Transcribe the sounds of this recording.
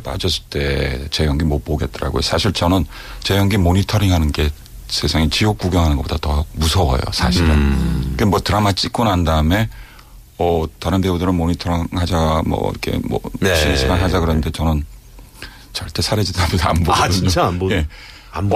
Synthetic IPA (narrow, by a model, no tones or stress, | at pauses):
p͈a̰d͡ʑʌs̬͈ʰɯ̥ɭt͈e̞t͡ɕejʌŋɡimʌpoɡe̞t̚t͈ʌɾa̰ɡo̰jo̰sʰaɕʰiɭt͡ɕʌnɯn | t͡ɕejʌŋɡimoɲitʰʌɾiŋɦanɯnɡe̞ | sʰe̞sʰaŋit͡ɕijok͈uɡjʌŋɦanɯnɡʌp͈od̥atʌmusʰʌwʌ̰jo̰sʰaɕʰiɾɯnkemwʌtɯɾamat͡ɕ͈ik͈unandaɯme̞ | ʌtaɾɯnbebudɯɾɯnmoɲitʰʌɾiŋhad͡ʑamʌ̰ḭɾkʰe̞̰mʌ̰ɕʰinsʰiɡanɦad͡ʑakɯɾʌnɯnde̞t͡ɕʌnɯn | t͡ɕʌɭt͈e̞sʰaɾed͡ʑidabisa̰mboɡdɯɲje̞